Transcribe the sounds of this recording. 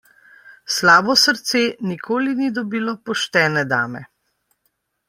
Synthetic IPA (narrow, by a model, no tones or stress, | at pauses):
slaːbɔsəɾt̪seːnikʰoːlinid̪ɔbiːlɔpɔʃt̪ɛːnɛd̪a̰ːmɛ̰